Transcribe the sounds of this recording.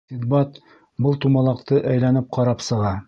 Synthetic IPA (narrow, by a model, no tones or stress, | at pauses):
sid̪̚bɑt̪ | bɤlˠt̪umɑlˠɑqt̪ɤʔæjlænɘp̚qʰɑɾɑpsɤ̆ʁɑ